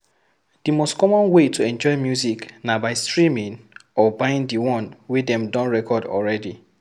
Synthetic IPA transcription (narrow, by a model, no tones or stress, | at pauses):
d̥imostkɔmɔ̃nwetʰuɛ̃nd͡ʒɔɪmjuziknabaɪstɹimĩnɔbajĩndiwɔ̃nwedɛ̃mdɔ̃nɹɛkʰɔdɔ̰lɹɛdi